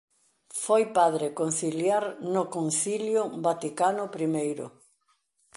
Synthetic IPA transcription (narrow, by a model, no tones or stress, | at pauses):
fojpaðɾekon̟θiljaɾnʊkonθiljʊbat̪ikanʊpɾimejɾʊ̰